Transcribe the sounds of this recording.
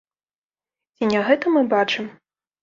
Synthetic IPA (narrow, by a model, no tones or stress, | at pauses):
t͡sʲinʲaɣɛt̪ɐmɨbat͡ʂɨm